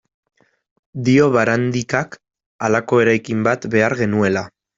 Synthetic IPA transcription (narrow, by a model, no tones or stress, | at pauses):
d̪io̞β̞aɾand̪ikak | alako̞e̞ɾajkimbat̪be̞aɾɣe̞nue̞la